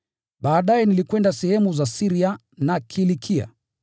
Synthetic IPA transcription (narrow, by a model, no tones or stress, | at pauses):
ɓaːɗajɛnilikwɛndasɛhɛmuzasiɾia | nakʰilikʰia̰